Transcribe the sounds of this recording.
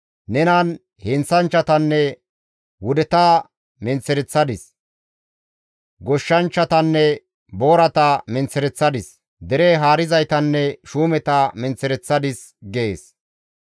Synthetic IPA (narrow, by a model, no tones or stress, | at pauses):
nɛnɐn | hɪnt͡sɐnt͡ʃːɐt̪ɐnːɛ | wʊd̪ɛt̪aː | mɛnt͡sːɛɾɛt͡sːɐd̪ɪs | ɡɔʃːɐnt͡ʃːɐt̪ɐnːɛ | boːɾɐt̪ɐmɛnt͡sːɛɾɛt͡sːɐd̪ɪs | d̪ɛɾeːɦaːɾɪzɐjt̪ɐnːɛʃuːmɛt̪amɛnt͡sːɛɾɛt͡sːɐd̪ɪs | ɡeːs